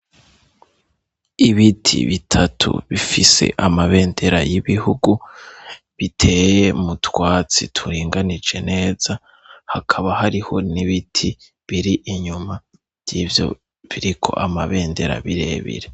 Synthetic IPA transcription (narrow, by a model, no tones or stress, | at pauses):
iβitʰḭβitʰatʰṵβifise̞̰ʔamaβe̞ːnde̞ɾajiβihuɡu | βitʰe̞je̞mutwaːt͡sḭtʰuɾiːŋɡanid͡ʒe̞ne̞ːz̥a | hakʰaβahaɾiho̞niβitʰi | βiɾiʔiɲuma | v̥jiːvjo̞̰ | βiɾikʰo̞̰ʔamaβe̞ːnde̞ɾa̰βiɾe̞̰ːβḭɾe